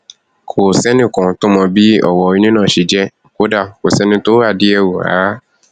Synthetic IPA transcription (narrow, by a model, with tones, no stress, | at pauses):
kʰo˨sɛ˦nĩ˦˨kɔ̃˨to˦mɔ̃˧bi˦ɔ̰˦˨wɔ˧˨i˧nĩ˦nãː˦˨ʃi˨˧d͡ʒɛ˦ | ko˦da˦˨ko˨sɛ˦nĩ˧to˦a˦˨di˦ɛ˧wu˨a̰ː˨˦